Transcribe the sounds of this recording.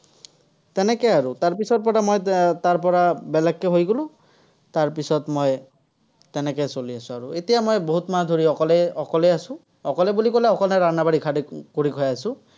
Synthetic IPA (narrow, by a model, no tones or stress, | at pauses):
tɛnɛkɛjaɹutaɹpisɔt̚pɔɹamojtaɹp̬ɔɹabɛlɛkːɛɦojɡolʊ̃ | taɹpisɔtmoj | tɛnɛkɛsoliasʊ̃aɹuetijamojboɦutmadʱuɹiɔkɔlɛɔkɔlɛasʊ̃ | ɔkɔlɛbulikolɛɔkɔlnɛɹanabaɹikʰadikoɹikʰɔjasʊ̃